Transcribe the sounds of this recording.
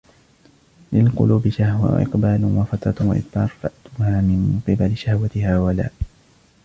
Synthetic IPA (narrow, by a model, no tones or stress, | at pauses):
lɪlqʊ̰luːbɪʃahwa̰ʔɪ̰qbaːlwafat̪ɾˤɑwa̰ʔɪ̰t̪bɑːɾˤfaʔt̪ʊhaːmɪnqɨbalɪʃahwat̪ɪhaːwala̰ːʔ